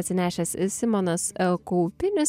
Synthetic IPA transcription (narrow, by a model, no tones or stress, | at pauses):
t̪ʲsʲɪnʲæːʃʲɛssʲɪmɔnɐskɔʊpʲɪnʲʊs